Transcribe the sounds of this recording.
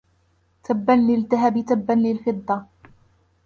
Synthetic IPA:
t̪ʰabːanlɪlt̪aɦabɪt̪abːanlɪlfɨd̪ˤːɑ

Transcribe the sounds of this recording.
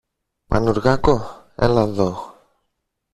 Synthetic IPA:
pa̰nuɾɣako | ḛlaðox

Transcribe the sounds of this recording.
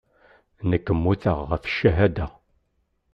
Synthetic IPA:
nəkːəmːuθəʁːəfʃːæɦæd̪æ

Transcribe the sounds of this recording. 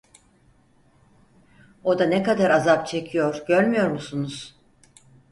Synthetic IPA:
o̞d̪anɛkad̪aɾazapt͡ʃʰe̞cʰijo̞ɾɟø̞ɾʲmijo̞ɾmusunuz̥

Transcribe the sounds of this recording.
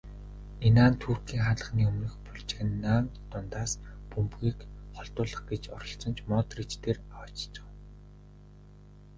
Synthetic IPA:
enaːnt̪ʰuːrkʰiːŋχaɮə̆χniːɵmnɵ̆xpʊɮt͡ɕĕɘ̆nːaːmt̪ː | ʊnt̪aːspɵmpɣiːkχɔɮt̪ʊːɮə̆χɡet͡ɕɔ̰ɾɞ̆ɬt͡sɞ̆nt͡ɕʰmɔːt̪rit͡ɕt̪ʰeːrawaːt͡ɕt͡ɕʊ̥̆w

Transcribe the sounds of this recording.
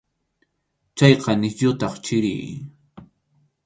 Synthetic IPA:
t͡ʃɑjqɑnɪsʎʊt̪ɑχt͡ʃɪɾɪ̰j

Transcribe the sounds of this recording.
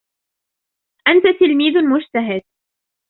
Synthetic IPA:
ʔant̪at̪ɪlmiːðmʊd͡ʒt̪aɦɪd̪̥̚

